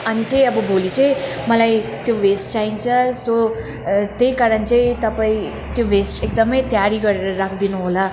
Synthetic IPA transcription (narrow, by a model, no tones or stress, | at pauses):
ʌnit͡sʌ̃j̃ʌbʌbolit͡sʌ̃j̃ | mʌlajt̪joʋesʈ̚t͡saint͡sʰʌso | t̪ejkaɾʌnt͡sʌ̃ĩt̪ʌpaĩ | t̪joʋesʈek̚d̪ʌmʌjt̪jaɾiɡʌɾeɾʌɾakʰd̪inuɦola